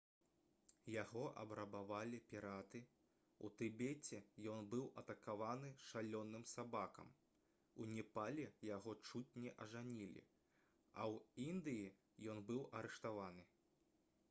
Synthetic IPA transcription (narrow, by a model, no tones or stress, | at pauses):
jaɣɔʔɐ̰bɾɐbavalʲipʲiɾat̪ɨ | ṵt̪ɨbʲet͡sʲɛjɔnbɨwʔɐt̪ɐkavanɨʂalʲɔnːɨmsabakɐ̰m | unʲɛpalʲɛjaɣɔt͡ʂutʲnʲɛʔɐʐanʲilʲḭ | ɐ̰wind̪ɨji | jɔnbɨwʔɐɾɛʂt̪avanɨ